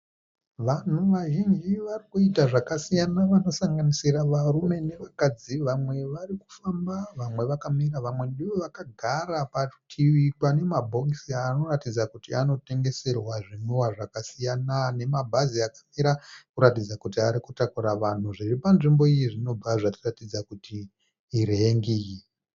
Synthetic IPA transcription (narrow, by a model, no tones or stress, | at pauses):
ʋan̤uʋaʒind͡ʒiʋarikuitaʐakasijanaʋano̞saŋɡanisiraʋarume̞ne̞ʋakad͡ziʋamwe̞ʋariku̥fambaʋamwe̞ʋakamiraʋamwe̞nɗiʋoʋakaɡʱaɾapatʰiwikwane̞mabʱo̞ksiaːno̞ratid͡zakutiano̞te̞ŋɡe̞se̞rwaʐinuwaʐakasijanane̞mabʱaziakḁmiɾakuɾatid͡zakutiaɾikutakuɾaʋan̤uʐiripanʐimbo̞ijiʐino̞b͡vaʐatiratid͡zakutiː | ɾeːŋɡiji